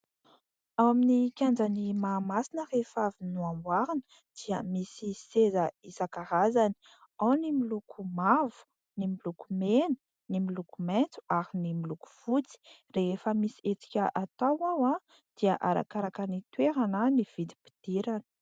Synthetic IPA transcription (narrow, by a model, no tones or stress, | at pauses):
awaminikʲand͡zanimaːmasinərefavinuamwaɾinə | d̪̥iəmisisezəisakaɾazani̥ | awnimilukʰumavu̥ | nimilukumenə̥ | nimilukument͡su̥aɾinimiluku̥v̥ut͡si̥refəmisiet͡si̥kʲəʔat̪awawã | d̪̥iəʔaɾa̰kaɾakanit̪weɾananiv̥id̪ipi̥d̪̥iɾanə̥